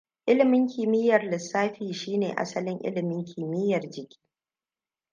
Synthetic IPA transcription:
ʔɪ˦lɪ˨mɪ˦ŋkʲɪ˨mɪ˦jːɐ˨rlɪ˨sːaː˦ɸiː˨ʃiː˦nḛː˨ʔa̰˦sɐ˦lɪ˦ŋʔɪ̰˦lɪ˨mɪ˦ŋkʰʲɪː˨mɪ˦jːɐ˨rd͡ʒɪ˨kʲʰi̥ː˦

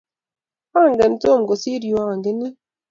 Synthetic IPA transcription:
a˦˨ŋ˨ɡe˨n̩˦to˦˨m˨ɡo˨si˦ɾju˨˦a˨ŋ˨ɡe˦ne˦

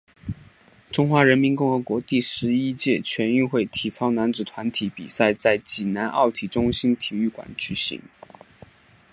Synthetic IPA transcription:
ʈ͡ʂʊ˥ŋxwa˧˥ɻə˧˥nmi˧˥nkʊ˥˩ŋxɤ˧˥kwɔ˧˥t̪i˥˩ʂɻ̩˧˥i˥t͡ɕjɛ˥˩t͡ɕʰɥɛ˧˥ny˥˧xwe˥˩ɪt̪ʰi˨˩t͡sʰɑ˥ʊna˧˥nt͡sɹ̩˨˩t̪ʰwa˧˥nt̪ʰi˧˥pḭ˨˩sa˥˧ɪt͡sa˥˩ɪt͡ɕi˨˩na˧˥nʔɑ̰˥˩ʊt̪ʰi˨˩ʈ͡ʂʊ˥ŋɕi˥nt̪ʰi˨˩y˥˩kwa̰˨˩˦nt͡ɕy˨˩ɕḭ˧˥ŋ

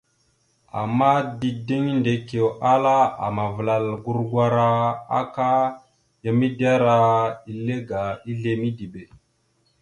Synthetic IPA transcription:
a̰˨mːa˦di˨di˦ŋnde˨ke˨wʔa˦la˦a̰˨ma˨vla˨lɡu˦ɾɡwa˦ɾa˦a̰˦ka˦ | ja˨mi˦da˦ɾa˦i˨le˦ɡa˨i˦ɮe˨mi˦di˨be˨

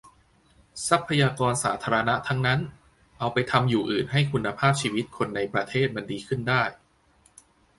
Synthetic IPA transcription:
sa˦˥pʰːa˧jaː˧kɔː˧nsa̰ː˩˦t̪ʰaː˧ɾa˧na˦˥t̪ʰa˦˥ŋna˦˥n | ʔa˧wpa˧jt̪ʰa˧mjuː˨˩ʔɯː˨˩nɦa˥˩jkʰu˧nːa˧pʰaː˥˩p̚t͡ɕʰiː˧wi˦˥t̪̚kʰo˧nːa˧jpɾa˧t̪ʰeː˥˩t̪̚ma˧ndiː˧kʰɯ˥˩ndaː˥˩j

